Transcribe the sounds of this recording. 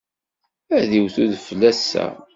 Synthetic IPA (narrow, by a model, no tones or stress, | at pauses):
æðiwθuðflːæsːæ̰